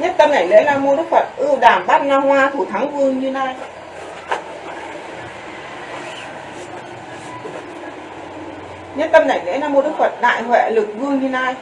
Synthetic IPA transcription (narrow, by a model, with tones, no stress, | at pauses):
ɲə˧˥nt̪ə˧mna˨˧˩jlḛ˧˥laː˨˩mo˧˩ɗɨ˦˥k̚fə˨˩t̚ʔɨ˧wɗaː˨˩mɓaː˦˥t̚naː˧hwaː˧t̪ʰu˧˩t̪ʰa˨˦ŋvɨ˧əŋɲɨ˧na˧j | ɲə˧nt̪ə˧mna˧˩jlḛ˧˥laː˨˩mo˨˩ɗɨ˦˥k̚fə˨˩t̚ɗa̰ː˧˨jɦwɛ̰˧˨lɨ˨˩k̚vɨ˧əŋɲɨ˧na˧j